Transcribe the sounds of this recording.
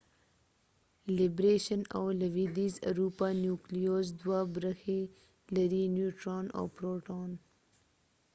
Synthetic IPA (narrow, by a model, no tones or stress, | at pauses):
lɪbɾeʃəna̰wlawid̪iza̰ɾupanjuklijozd̪wabɾəxe | laɾinjuʈɾɑna̰wpɾoʈon